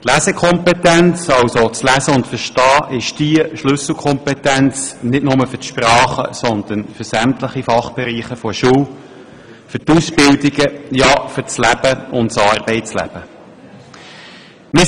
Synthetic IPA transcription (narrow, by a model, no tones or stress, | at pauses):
t̪læsɛkʰɔmpɛt̪ænt͡sɑwsot͡slæzəʊntfəɾʃtɑːʔɪʃd̥iəʃlɵsl̩ˠkʰɔmpɛtænt͡snɪdnʊməfʏtʃpɾɑːχə̰sɔnd̪̥ənfʏsæmtləχifɑχb̥ɛɾiːχəfɔʃuːw | fʏtusbɪldiɡəjɑːfʏɾt͡slæb̥əʊntsɑːɾb̥ɛɪt͡slæ̰b̥ə | mɪ